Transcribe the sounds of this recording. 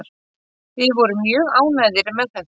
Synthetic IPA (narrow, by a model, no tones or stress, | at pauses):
ɾ̥ | θɪvɔɾʏmjœːɣaːwnajðɪɾmɛðθɛ